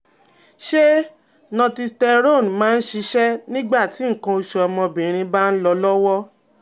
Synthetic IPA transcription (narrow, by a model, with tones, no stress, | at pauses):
ʃe˦ | nɔ̃˧ti˧stɛ˧ɾo˦˨n˨mãː˦n̩˦ʃi˧ʃɛ˦nĩ˦ɡ͡ba˦˨ti˨˦ŋ̩˨kã˧o˧ʃɔ˨ɔ˧mɔ̃˧bĩ˨ɾ̃ĩ˧ba˦n̩˦lɔ˧lɔ˦wɔ˦